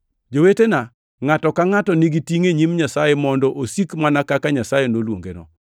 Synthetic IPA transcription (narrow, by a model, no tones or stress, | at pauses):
d͡ʒowetena | ŋatɔkaŋatɔniɡitiŋeɲimɲasajɛmɔndɔʔosikmanakakaɲasajenolwo̰ŋɡḛnɔ̰